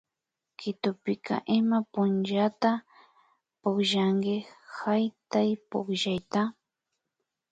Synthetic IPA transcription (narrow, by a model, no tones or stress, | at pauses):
kɪt̪ʊpɪkʰa̰ʔɪmapʊnʒat̪a | pokʒaŋɡɪhajt̪ajpokʒajt̪a